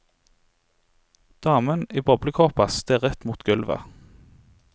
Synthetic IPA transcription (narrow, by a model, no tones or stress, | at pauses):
d̪̥ɑːməniːbɔbləkʰɔʁpɑst̪ʰeːʁɛt̪muːt̪ɡ̥ʉlʋə̰